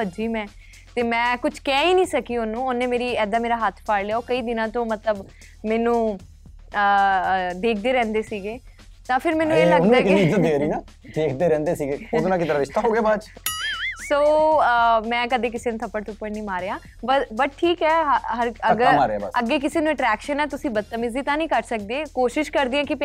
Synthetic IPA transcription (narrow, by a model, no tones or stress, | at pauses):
əd͡ʒiːmɛ̃ː | t̪eːmɛ̃ːkʊt͡ʃʰkɛːiːnĩːsəkiːonũːʊnːeːmeːɾiːɛːd̪aːmeːɾaːɦət̪ʰpʰaːɽleːaoːkəiːd̪ɪnãːt̪õːmət̪ləb | mɛːnũː | ə | d̪eːkʰd̪eːɾɛ̃ːnd̪eːsiːɡeː | t̪ãːpʰɪɾmɛːnũːeːlləɡd̪akːzəd̪eːɾiːnaː | d̪eːkʰd̪eːɾɛ̃ːnd̪eːsiːɡeːod̪nãːkɪt̪əɾaːʋɪʃt̪aːɦoːɡeaːbat͡ʃ | soː | mɛ̃ːkəd̪eːk̬ɪseːnũt̪ʰəpːəɽt̪ʰʊpːəɽnĩːmaːɾeːãː | bəbəʈ̚ʈʰːiːkɛːɦəɦəɾəɡəɾmaːɾeaːba̰əɡːeːk̬ɪseːnũːɛʈɾɛːkʃənɛːt̪ʊsĩːbət̪ːəmɪziːt̪ãːnəĩːkəɾsək̚d̪eːkoːʃɪʃkəɾd̪iːãːkɪp